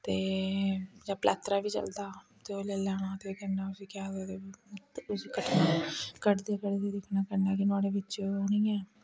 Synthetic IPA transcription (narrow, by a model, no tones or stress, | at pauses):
t̪eː | d͡ʒãːplʔa̰ːt̪ɾaːbiːt͡ʃə̰ld̪aː | t̪eːoːleːlaːɽaːt̪eːoːkənːaːʊsiːkaːd̪eːt̪eːt̪ʊsiːkəʈʰnaːkəʈd̪eːkəʈd̪eːd̪ɪkʰnaːkəɾnaːkɪnaːɽeːʋɪt͡ʃːoːoːniːɛː